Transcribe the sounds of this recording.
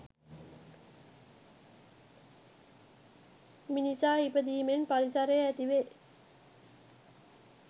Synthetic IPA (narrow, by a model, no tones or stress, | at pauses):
minisaːipəd̪iːmenpalisaɾeæt̪iʋe